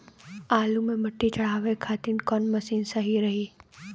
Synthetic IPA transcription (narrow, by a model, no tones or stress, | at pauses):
aːlumẽmɐʈːit͡ʃɐɽ̤aːʋekʰaːt̪inkɔːnmɐsiːnsɐɦiɾɐɦiː